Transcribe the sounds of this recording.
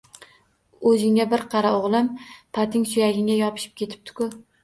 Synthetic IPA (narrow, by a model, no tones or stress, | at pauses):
ɵzɪŋʲabɪɾqʰɑɾaoʁlˠɪmpʰat̪ʰɪŋsʊjaɡʲɪŋʲajɒpʰɪ̥ʃɪ̥p̚kʲe̞t̪ʰɪ̥p̚t̪ʰɪ̥kʰʊ